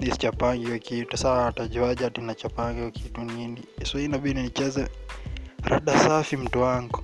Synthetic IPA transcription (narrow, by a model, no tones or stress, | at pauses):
nisi̥t͡ʃapaŋɡiwakitusaːtaʄaʄatinat͡ʃapaŋɡiwakituniniiswahiinaɓidininit͡ʃɛzɛ | ɾa̰ɗasafim̩tuaŋɡɔ